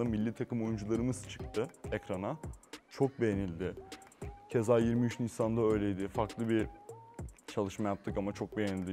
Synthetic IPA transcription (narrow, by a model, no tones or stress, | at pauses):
amilʲːit̪ʰakɯmo̞jund͡ʒulˠaɾɯmɯz̥t͡ʃʰɯ̥k̚t̪ʰɯecɾanat͡ʃʰo̞k̚be̞je̞nilʲd̪ɪ | cʰe̞zaːjiɾmiyt͡ʃniçsand̪aø̞jlʲe̞jd̪ɪfaɾklˠɯbi | t͡ʃʰalˠɯʃmajap̚t̪ʰːɯkamat͡ʃʰo̞k̚be̞jenilʲd̪i